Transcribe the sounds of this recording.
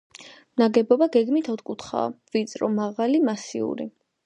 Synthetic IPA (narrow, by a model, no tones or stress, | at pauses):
mnaɡɛbɔbaɡɛɡmit̪ʰɔt̪kʼut̪ʰχa̰ːvit̪sʼɾɔmaʁalimasḭṵɾḭ